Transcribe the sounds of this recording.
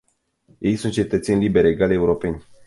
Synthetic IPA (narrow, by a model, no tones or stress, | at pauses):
je̞jsunt̪̚t͡ʃe̞t̪ət̪se̞nʲlibe̞ɾeɡaleuɾo̞pe̞nʲ